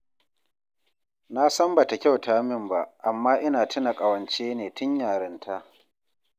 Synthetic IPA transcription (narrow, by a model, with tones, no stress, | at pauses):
na˦sɐ˦mba˨ta˨kʲa˦˨wtaː˦mɪ˦˨mba˦ʔʔa˨mːaː˦ʔɪ˦naː˨tʰɪ˦na˨kʼa˨wɐ˨nt͡ʃeː˦neː˨tʊ˦ɲjaː˨ɾɪ˨ntʰa˦ʔ